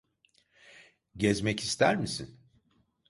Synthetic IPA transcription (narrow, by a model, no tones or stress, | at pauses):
ɟɛzmɛcist̪ʰæɾmisin